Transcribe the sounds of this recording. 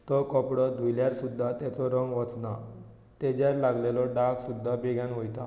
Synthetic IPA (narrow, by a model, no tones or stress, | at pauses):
t̪ɔkɔpɽɔd̪ʱujljaɾsud̪ʱːat̪ɛt͡sɔɾəŋɡʋət͡sna | t̪ed͡ʑaɾlaɡlelɔɖaksud̪ʱːabeɡãnʋɔjt̪a